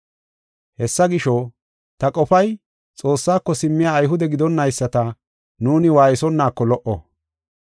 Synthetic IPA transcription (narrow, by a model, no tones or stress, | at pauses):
hɛsːɐɡɪʃɔ | t̪ɐkʼɔfɐj | t͡sʼo̞ːsːaːkːɔsɪmːɪjaːjɦʊd̪ɛɡɪd̪ɔnːɐjsːɐt̪ɐ | nuːnɪwaːjɪsɔnːaːkːɔlɔʔɔ̰